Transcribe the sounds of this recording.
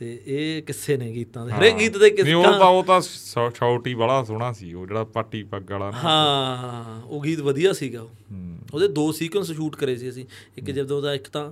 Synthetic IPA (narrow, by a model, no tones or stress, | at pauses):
t̪eːeːkɪseːnẽːɡiːt̪ãːd̪eːɦəɾeːɡiːt̪d̪eːkɪsiːõːt̪ãːoːt̪ãːsʃaːʊʈiːbəlaːsʊɽ̃aːsḭːo̰ːd͡ʒeːɽaːpəʈːiːpəɡəlaːɦãːɦãoːɡiːt̪ʋəd̪ijaːsiːɡaːoːoːd̪eːd̪oːsiːkənsʃuːʈkəɾeːsiːəsĩː | ɪkd͡ʒɪd̪õːd̪ãːɪkt̪ãː